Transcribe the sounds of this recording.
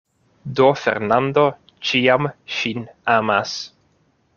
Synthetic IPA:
d̪o̞fḛɾnand̪o̞ | t͡ʃiamʃinama̰s

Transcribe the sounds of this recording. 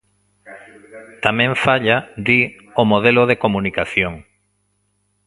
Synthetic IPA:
t̪amẽɱfaʎad̪i | omoð̞eloðekomũnikaθjoŋ

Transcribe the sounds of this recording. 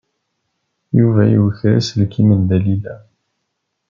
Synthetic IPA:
juvæjuθɾæ̰slkimənd̪ælilæ

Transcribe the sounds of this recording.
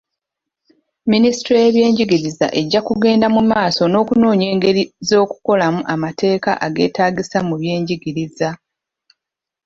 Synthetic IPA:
minisi̥tɾojeβje̞ːɲɟiɡiɾiza̰ʔe̞ɟːakuɡe̞ːndamumaːso̞no̞ːkuno̞ːɲe̞ːŋɡe̞ɾizo̞ːku̥ko̞lamuʔamate̞ːka̰ʔaɡe̞̰ːtaːɡisamuβje̞ːɲɟiɡiɾiza

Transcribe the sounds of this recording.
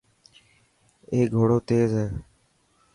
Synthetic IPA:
eːɡʱoːɽoːt̪eːzɦɛː

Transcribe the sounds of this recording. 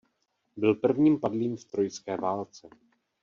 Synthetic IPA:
bɪlpr̩vɲiːmpadliːmft̪ɾo̞jskɛːvaːlt͡sɛ

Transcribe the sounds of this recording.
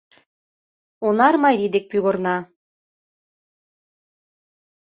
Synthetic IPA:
onɑɾmɑjɾʲid̪ek̚pʲyɣornɑ

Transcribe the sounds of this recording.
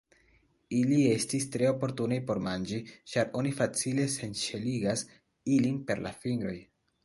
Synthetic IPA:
ilie̞stistɾe̞o̞po̞ɾtunejpo̞ɾmand͡ʒit͡ʃaɾo̞nifat͡sile̞se̞nʃe̞liɡas | ilinpe̞ɾla̰fiŋɡɾo̞j

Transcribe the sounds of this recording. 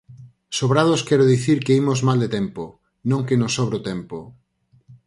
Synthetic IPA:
soβɾaðoskɛɾoðiθiɾkeimozmald̪et̪ɛmpo | nõŋkenosɔβɾot̪ɛmpo

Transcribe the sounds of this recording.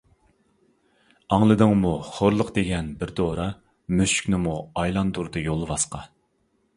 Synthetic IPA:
ɑŋlˠɨd̪ɨŋmuχoɾlˠəqd̪eɡʲɛnbɪɾd̪oːɾɑ | myʃy̥kʲnɪmuɑjlˠɑnd̪uɾd̪ɨjolˠvɑsqɑ

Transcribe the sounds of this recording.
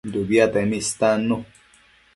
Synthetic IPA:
d̪uβjat̪emist̪ano

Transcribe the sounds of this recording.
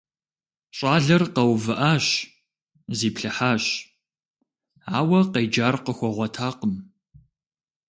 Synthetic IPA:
ɕʼɑːɮɐrqɐwvɨʔaːɕ | ziːpɬɨħaːɕ | aːwɐqejd͡ʒaːrqəxʷɔʁʷɔtʰaːqəm

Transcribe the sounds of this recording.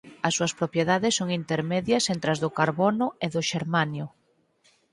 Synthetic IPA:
ɐsːuɐspɾopjeðaðɪsːoŋint̪eɾmeðjɐsent̪ɾɐzðʊkaɾβonʊeðʊʃeɾmanjʊ

